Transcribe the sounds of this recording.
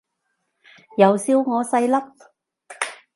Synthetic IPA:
jɐ˨˧wsiː˧˥wŋɔː˨˧sɐ˧jlɐ˥p̚

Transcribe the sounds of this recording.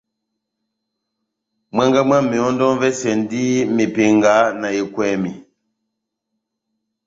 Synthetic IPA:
mwa˦ŋɡa˦ma˦mi˨ɔ˦n˦dɔ˦nvɛ˦sɛ˨n˦di˦me˨pe˨ŋɡa˨˦na˨je˨kwɛ˨mi˨

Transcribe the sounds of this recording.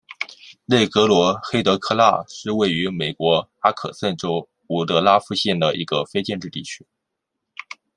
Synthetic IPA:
le˥˩ɪkɤ˧˥lwɔ˧˥xe˥ɪt̪ɤ˧˥kʰɤ˥˧la̰˥˩ʂɻ̩˥˧we˥˩ɪy˧˥me˨˩ɪkwɔ˧˥a˥kʰɤ̰˨˩sə˥˩nʈ͡ʂo˥ʊ | u˨˥˩t̪ɤ˧˥la˥fu˥˧ɕjɛ˥˩nd̪ə˩ʔḭ˧˥ɡə˧fe˥ɪt͡ɕjɛ˥˧nʈ͡ʂɻ̩˥˧t̪ḭ˥˩t͡ɕʰy̥˥

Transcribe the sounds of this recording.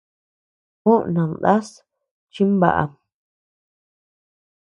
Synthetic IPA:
kõ˦ʔnã˨nd̪a˦s | t͡ʃi˦mba̰˨ʔa̰˨

